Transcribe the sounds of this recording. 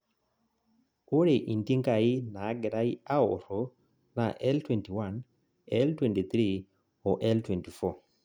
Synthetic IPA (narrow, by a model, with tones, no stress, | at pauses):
o˦ɾe˨ʔi˨nti˦ŋka˨i˦na˨˦ɡɛ˨ɾa˦i˦a˦o˨ɾo˨ | na̰˨ʔɛ˦ltwɛ˨nti˨wa˨n | ɛ˦ltwɛ˨nti˨θɾi˦ | ɔ˨ʔɛ˦ltwɛ˨nti˨fɔ˦˨